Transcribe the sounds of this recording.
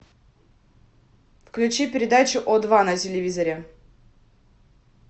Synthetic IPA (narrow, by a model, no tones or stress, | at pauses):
fklʲʉt͡ɕipʲɪɾʲɪd̪at͡ɕʊʔɔd̪vanɐtʲɪlʲɪvʲizɐɾʲɛ